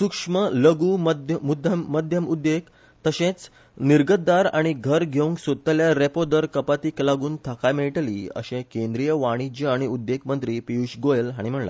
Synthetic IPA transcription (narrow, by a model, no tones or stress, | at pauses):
sukʂmələɡuːməd̪ʱjəmud̪ʱjəmmːəd̪ʱjəmud̪ːek | t̪əɕẽt͡s | niɾɡəd̪aɾaɽ̃iɡʱəɾɡʱeũŋɡsot̪ːaljaɾepod̪əɾkəpat̪iːklaɡuːnt̪ʰakajmeɭʈlḭːə̰ɕẽkẽnd̪ɾijəʋaɽ̃id͡ʑəaɽ̃iud̪ːekmənt̪ɾiːpiuɕɡojəlɦaɽ̃im̤əɳla̰